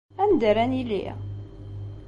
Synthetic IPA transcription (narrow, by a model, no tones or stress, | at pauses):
ænd̪əɾænilːḭ